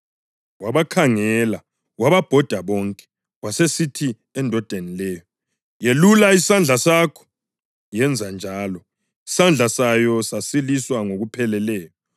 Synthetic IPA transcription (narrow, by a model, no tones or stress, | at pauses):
waβakʰaŋɛla | waβab̥ʱɔd̥ʱaβɔŋkʼɛ̥ | wasesitʰi | ɛndʱɔd̥ʱenilɛːjɔ | jelulaisand͡ɮʱasakʰɔ̥ | jɛnd͡zʱand͡ʒʱaːlɔ | i̥sand͡ɮʱasajɔsasiliswaŋoɣupʰɛlɛlɛːjɔ